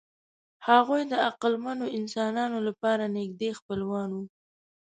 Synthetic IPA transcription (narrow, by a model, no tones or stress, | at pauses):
haɣujd̪əaqəlmanoɪnsɑnɑnolapɑɾanɪɡ̚d̪expəlwɑnwu